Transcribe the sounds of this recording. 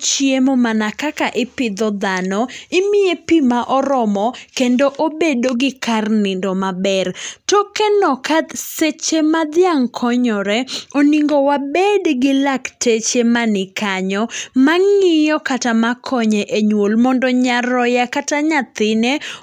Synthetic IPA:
t͡ʃjemomanakakaʔɪpɪd̪ɔd̪anɔɪmɪepimaʔɔɾɔmɔkendoʔobedoɡɪkarnɪndɔmabɛrtɔkɛnɔkaset͡ʃemad̪jaŋkʰɔɲɔɾɛoniŋɡowabedɡɪlaktet͡ʃemanɪkaɲɔmaŋɪjɔkatamakʰɔɲɛʔeɲwolmɔndɔɲaɾɔjakataɲat̪ɪne

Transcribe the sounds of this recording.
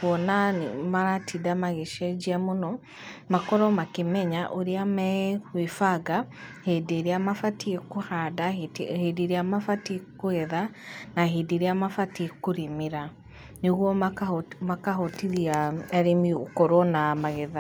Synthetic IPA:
wɔnamaɾatʰidamaɣeʃɛd͡ʒiamonɔ | makɔɾɔmakemɛɲaʔoɾeamɛɣwefaɡahedeɾeamafatiekohadahediɾeamafatiekoɣɛða | naɦediɾeamafatiekoɾimiɾa | neɣwɔ | makaɦɔtiɾiaɛɾemiokɔɾɔnamaɣeða

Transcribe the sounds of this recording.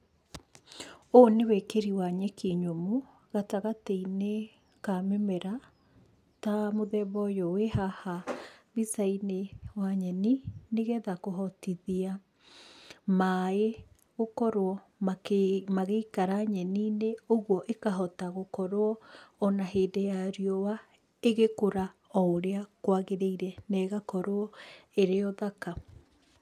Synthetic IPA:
onewɛkeɾiwaɲɛkiɲomo | ɣataɣateine | kamɛmɛɾa | tamoðɛβɔjɔwehahaβisainewaɲɛnineɣɛðakoɦɔtiðia | mae | ɣokɔɾoɔ | makmaɣeikaɾaɲɛnineoɣwɔʔekaɦɔtaɣokɔɾoɔːnaɦeːdejaɾiɔwa | eɣekoɾa | ɔoɾeakwaɣeɾeiɾɛnɛɣakɔɾoɔeɾeɔðaka

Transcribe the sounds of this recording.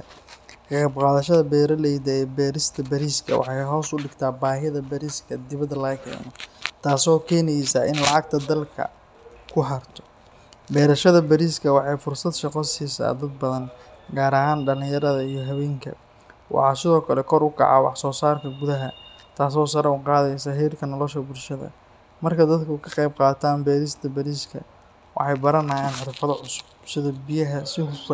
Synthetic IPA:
kɑɑbqaːðɐʃɐðɐbɛːɾɐlɛjd̪ɐɛːbɛːɾɪst̪ʰɐbɐɾiːskʰɐ̰wɑ̰ħɑjɦɔːsʊɖɪɡt̪ʰaːbaːɦɪðɐbɐɾiːskʰɐd̪ɪβɐd̪ɐlɐkʰɛ̰ːnɔt̪ʰaːsɔːkʰɛːnɛjsaːɪ̰nlɑʕɑɡ̚t̪ʰɐd̪ɐlkʰɐ̰ | kʰʊħɐrt̪ʰɔ̥ | bɛːɾɐʃɐðɐbɐɾiːskʰɐwɑħɑjfʊrsɐd̪ʃɐqɔsiːsa̰ːd̪ɐd̪̚bɐðɐnɡaːɾɐɦaːnɖɐlɪ̃ŋjɐɾɐðɐijɞɦɐβɛːŋkʰɐ̰ | wʔɑ̰ħɑːsɪðɔːkʰɐlɛkʰɔɾʊkʰɑ̰ʕɑ̰wɑ̰ħsɔːsaːrkʰɐɡʊðɐɦɐt̪ʰaːs̬ɔːs̬ɐɾɐʊqɑːðɛjsɐɦiːrkʰɐnɔlɔʃɐbʊlʃɐðɐ̰ | mɐrkʰɐd̪ɐd̪kʰʊkʰɐqɑjb̚qɑːt̪ʰaːnbɛːɾɪst̪ʰɐbɐɾiːskʰɐ̰ | wɑ̰ħɑjbɐɾɐnaːjaːnħɪɾfɐðɐʕʊsʊ̥bsɪðɐbɪjɐɦɐsɪɦʊb

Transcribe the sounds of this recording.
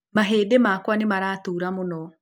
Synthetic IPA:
maɦeːdemakwanemaɾaːtuːɾamonɔ

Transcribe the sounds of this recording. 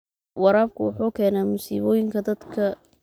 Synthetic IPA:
wɑɾaːb̚kʰʊwʊħuːkʰɛːnaːmʊsḭːβɔːjɪŋkʰɐd̪ɐd̪kʰɐ

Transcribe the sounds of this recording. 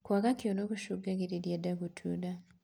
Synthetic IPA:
kwakakjonoβuʃuɡaɡiɾiljedaɡutʰuda

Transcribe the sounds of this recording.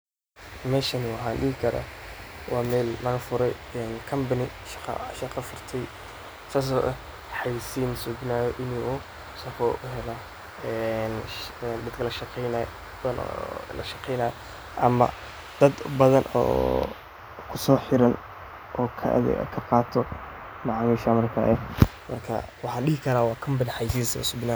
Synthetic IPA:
mɛːʃɐnɪwɑħɑːnɖɪɦɪkʰɐɾa̰wɑːmɛːlmɐɣɐfʊɾɛj | ɛnkʰɐmbɐnɪ | ʃqɑ̰ʃɑqɑfʊrt̪ʰɛj | saːs̬ɔːʔɐ | ħɑjisiːnsʊɡnaːjɔʔɪnʔu | sɐfɔʔʊɦɛlɔ | ɛnd̪ɐd̪kʰɐlɐʃqɛn | bn̰ːlɐʃɑqɛjnaː | ʔɐ̰mɐ̰ | d̪̥ɐd̪bɐðɐnɔ̰ː | kʰʊsɔːħɪɾɐn | ʔɔːkʰɐ̰kʰɐqɑːt̪ʰɔ | mɑʕmɛʃamɐrkʰa̰ːʔɛmɐrkʰɐ̰wɑħɑːɗɪɦɪkʰɐɾaːwɑːkʰɐmbɐnħɑjs̬isɐ̰ʊ̰sʊbɪnaː

